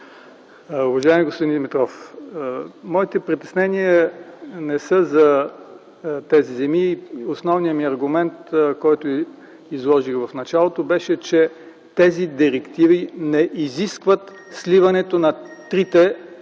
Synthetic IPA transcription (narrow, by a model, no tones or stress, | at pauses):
ʊvɐʒaɪmiɡospʊd̪ind̪ɛmit̪ɾɔf | mɔit̪ɛpɾit̪ɛsnɛniənɛsəzɐ | t̪ɛzizɛmiosnɔvnijəmiɐɾɡʊmɛnt̪kɔjt̪o | izlˠɔʒixvɐfnɐt͡ʃalˠot̪obɛʃɛt͡ʃɛ | t̪ɛzid̪iɾɛkt̪ivinɛʔiziskvət̪ | slivɐnɛt̪onɐt̪ɾit̪ɛ